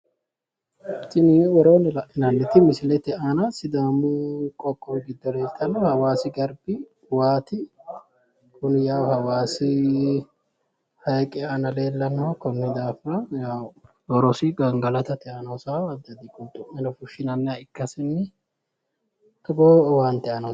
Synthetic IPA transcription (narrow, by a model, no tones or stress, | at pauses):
t̪ːɪniwɔɾoːnɪlɐʔɪnɐnːɪt̪ɪmɪsɪlɛt̪ɛʔanɐsɪd̪aːmukʼɔkʼːɔɡɪd̪ːɔle̞ːlt̪ɐnɔhɐwaːsɪɡɐɾbɪ | waːt̪ɪ | kʊnɪjaːwhɐwaːsɪ | hɐjkʼɛɐnɐle̞ːlːɐnːɔkɔnːɪd̪aːfɐjaːw | wɔɾɔsɪɡɐŋɡɐlɐt̪ɐt̪ɛʔɐnosaɐd̪ːɐd̪ikʊnt̪ʼʊʔɛnɔfʊʃɪnɐnːɪɐɪkːɐsɪnːɪ | t̪ɐɡoːwaːnt̪ɛʔɐnɔ